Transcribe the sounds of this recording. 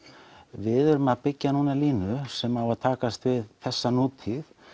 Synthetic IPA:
vɪðʏɾmapɪcːanuːnaliːnʏsɛmawvat̪ʰaːkast̪vɪðθɛsːanuːt̪ʰiθ

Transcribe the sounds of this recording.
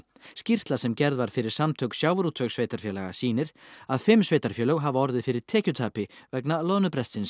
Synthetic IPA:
scir̥st̪lasɛmcɛɾðvaɾ̥fɪɾɪɾ̥samt̪ʰœksjaːwvɾut̪ʰvœksveːjt̪aɾ̥fjɛːlaɣa̰siːnɪɾ̥aðfɪmsveːjt̪aɾ̥fjɛːlœɣɦavaɔɾðɪðfɪɾɪɾ̥t̪ʰɛːcʏt̪ʰaːpɪvɛknalɔnʏpɾɛst̪sɪns

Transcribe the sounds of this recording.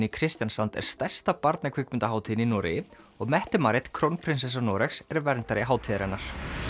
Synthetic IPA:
nɪkʰɾɪst̪jansant̪ɛ̰ɾ̥st̪ɛ̥st̪apaɾt̪nakʰvikmɪnt̪aɦaːwt̪ʰinɪinɔːɾɪ̰jɪ | ɔɣmɛht̪ɪmaːɾɪt̪kʰɾownpʰɾɪns̬ɛs̬anɔːɾɛksɛɾvɛɾnt̪aɾɪɦaːwt̪ʰiːðɪɾɛnːaɾ̥

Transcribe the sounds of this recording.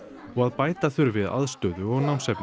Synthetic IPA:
ɔɣaðpaːjt̪aθʏɾvɪða̰ðst̪œːðʏɔɣnawmsɛpn

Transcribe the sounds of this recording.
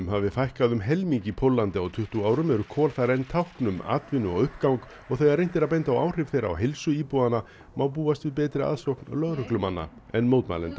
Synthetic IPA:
mhavɪfajhkaðʏmɦɛlmiɲcipʰolːant̪ɪawt̪ʰʏht̪uaːwɾʏmɛɾʏkʰɔːlθaɾɛnt̪ʰawhknʏma̰ːt̪vɪnːʏɔɣʏhpkawŋk | ɔɣθɛɣaɾrejnt̪ɪɾaðp̬ɛjnt̪awa̰wr̥ɪvθejɾa̰wɦejlsʏiːpuana | mawp̬uːast̪vɪðpɛːt̪ɾɪa̰ðsɾowhknlœɣɾʏklʏmanːa̰ | ɛnmoːwt̪ma̰lɛnt̪a

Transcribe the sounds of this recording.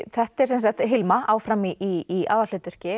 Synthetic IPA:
θɛht̪ɛɾ̥ɛnsajxt̪ɦɪlmaawfɾamiʔiːa̰ːðval̥ʏt̪ʏr̥cɪ

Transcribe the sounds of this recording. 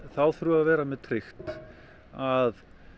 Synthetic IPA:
θawθɾuaðvɛːɾamɛðt̪ʰɾɪxt̪ | að

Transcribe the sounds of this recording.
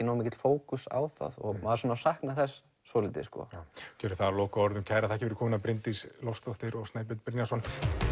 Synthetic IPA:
ɪnawmejcːɪt̪l̥foːwkʏsa̰wθa̰ðɔ̰ɣmaðasɔːnawsahknaθɛsː | ɔlɪt̪ɪ̰skɔ̰cʰɛːɾʏ̥θaðaɾlɔːkaɔɾðʏmcʰaːjɾaθaɛhcɪvɛɾʏkʰɔːmɪnapɾɪnt̪islɔfst̪ɔht̪ɪɾɔɣst̪naːjp̬ʏt̪̚pɾɪnjasɔn

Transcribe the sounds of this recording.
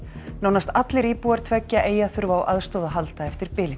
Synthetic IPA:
naːwnast̪at̪lɪɾiːpuːaɾ̥t̪ʰvɛcːaʔeːjaθʏɾvaːwʔaðst̪ɔːðaɦalt̪aɛft̪ɪɾpɪːlɪ

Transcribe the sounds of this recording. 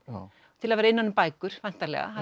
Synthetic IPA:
t̪ʰɪlaðvɛːɾaɪnːanːʏmpaːjkʏɾ̥vajn̥t̪alɛ̰ɣa̰ɦa

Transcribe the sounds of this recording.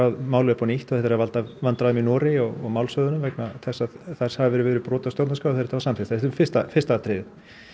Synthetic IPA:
awðmaːwlœpɔniht̪ɔθɛht̪aɾavalt̪avant̪ɾaðʏminɔːɾɪɔɣɔ̰ɣmaːwlsœðʏnʏmvɛknaθɛsːaðθɛr̥shavɪvɛːɾɪvɛːɾʏpɾɔːt̪ast̪ɔwt̪naskawθɛɾt̪ʰːavasamfɪst̪aɛt̪fɪ̥st̪afɪ̥st̪at̪ɾejðɪð

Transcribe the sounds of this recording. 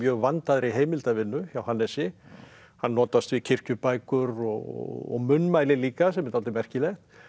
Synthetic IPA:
jœːɣvant̪aðɾiɦeːjmɪlt̪avɪnːʏçawhanːɛsɪ | hanːɔːt̪ast̪vicʰɪr̥cʏpajkʏɾɔɣɔ̰ɔ̰ɣmʏnːmajlɪliːkasɛmːɛt̪awlt̪ɪmɛr̥cɪlɛxt̪

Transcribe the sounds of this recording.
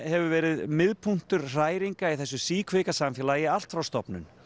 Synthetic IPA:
hɛvʏvɛːɾɪðmɪðpʰun̥t̪ʏɾ̥r̥aːjɾiŋkaiθɛs̬ːʏsiːkʰvɪkasamfjɛːlajɪal̥t̪fɾawst̪ɔpnʏ̰n

